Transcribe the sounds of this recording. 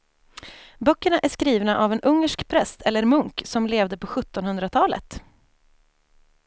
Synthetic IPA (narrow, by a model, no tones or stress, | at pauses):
bœkːəɳaʔæʂkɾiːvnaʔavɛnʔɵŋːəʂkpʰɾɛst̪ʰɛlːəɾmɵŋksɔmleːvd̪əpɔɧɵt̪ːɔnhɵnd̪ɾat̪ʰɑːlə̰t̪